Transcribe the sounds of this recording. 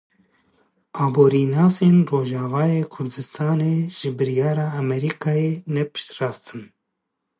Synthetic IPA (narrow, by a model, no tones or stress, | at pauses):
ɑːboːɾinɑːseːnroːʒɑːvɑːjeːkʰʊɾd̪ɨst̪ʰɑːneːʒ̥ɨbɨɾijɑːɾɑːmɛɾiːkʰɑːjeːnɛpɨ̥ʃt̪rɑːst̪ʰɨn